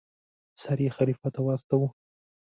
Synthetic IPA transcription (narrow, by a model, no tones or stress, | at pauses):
saɾexaɾifat̪awɑst̪awu